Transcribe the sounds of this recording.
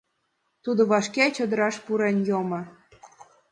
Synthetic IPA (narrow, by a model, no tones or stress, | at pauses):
t̪ud̪oβɑʃkʲæt͡ɕɤ̆d̪ə̆ɾɑʃpuɾenjomɤ̆